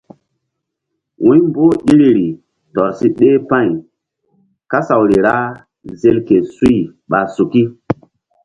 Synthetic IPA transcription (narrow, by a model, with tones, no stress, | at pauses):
wũ˦mbo˦ʔi˦ɾi˦ɾi˨ | tɔ˨ɾsi˦ɗe˦pã˦˨j | ka˦sa˨wɾi˨ɾa˦ | ze˦lke˨su˦i˦˨ɓa˨su˨ki˦